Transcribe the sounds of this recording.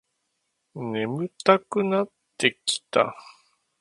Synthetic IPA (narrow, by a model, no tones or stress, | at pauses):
ne̞mɯt̪akɯnat̪ːe̞kʲi̥t̪a̰